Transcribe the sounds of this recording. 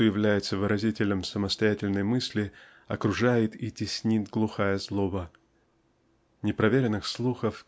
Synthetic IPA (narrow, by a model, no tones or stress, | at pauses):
ojɪvlʲæjɪt̪səvɨɾʔɐzʲitʲɪlʲnəmsəməst̪ɐjætʲɪlʲnəjmɨsʲlʲɪ | ɐkɾʊʐajɪt̪itʲɪsʲnʲit̪ɡlˠʊxajəzlˠobə | nʲɪpɾɐvʲeɾʲɪnːɨxslˠuxəf